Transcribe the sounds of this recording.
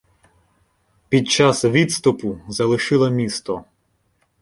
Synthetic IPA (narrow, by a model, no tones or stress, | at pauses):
pʲid̪̚t͡ʃɑsʋʲid̪st̪ʊpʊzɐlˠɪʃɪlˠɐmʲist̪ɔ